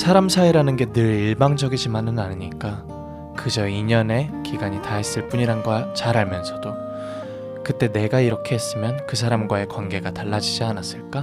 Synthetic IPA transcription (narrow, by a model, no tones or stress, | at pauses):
sʰaɾamsʰaiɾanɯnɡe̞nɯɾiɭbaŋd͡ʑʌɡid͡ʑimanɯnaniɲik͈a | kɯd͡ʑʌiɲʌne̞kʰiɡaɲitais͈ɯɭp͈uɲiɾanɡwat͡ɕaɾaɭmjʌnsʰʌd̥o | kɯt͈e̞ne̞ɡaiɾʌkʰe̞ɦes͈ɯmjʌnkɯs̬ʰaɾamɡwae̞kwanɡe̞ɡataɭːad͡ʑid͡ʑianas͈ɯɭk͈a